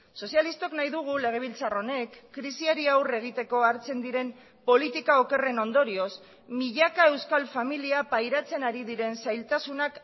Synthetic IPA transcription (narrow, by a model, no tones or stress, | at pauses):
so̞sialist̪oknajðuɣ̞ule̞ɣ̞e̞β̞ilt͡saro̞ne̞kːɾisiaɾiawre̞ɣ̞it̪e̞ko̞aɾt͡se̞nd̪iɾe̞m | po̞lit̪ikao̞ke̞re̞no̞nd̪o̞ɾio̞s | miʎakae̞wskalfamiliapajɾat͡se̞naɾiðiɾe̞nsajlt̪asunak